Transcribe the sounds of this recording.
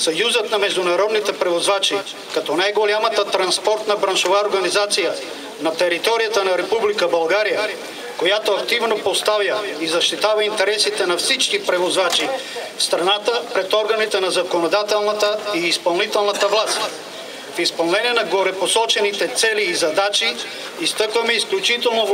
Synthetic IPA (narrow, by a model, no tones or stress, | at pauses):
sajuzət̪namɛʒd̪unaɾɔd̪nit̪ɛpɾɛvozvat͡ʃi | kat̪ɔnajɡolʲamat̪at̪ɾanspɔɾt̪nabɾanʃovaoɾɡanizat̪sija | nat̪ɛɾit̪ɔɾijat̪anaɾɛpublikabalˠɡaɾija | kojat̪oakt̪ivnopost̪avjaizaʃt̪it̪avaint̪ɛɾɛsit̪ɛnafsit͡ʃkipɾɛvozvat͡ʃi | fst̪ɾanat̪apɾɛt̪ɔɾɡanit̪ɛnazakonod̪at̪ɛlˠnat̪aiːspɐlˠnit̪ɛlˠnat̪avlˠas | fispɐlˠnɛnɛnaɡoɾɛposɔt͡ʃɛnit̪ɛt̪sɛliːzad̪at͡ʃiː | st̪əkvamɛisklʲut͡ʃit̪ɛlˠno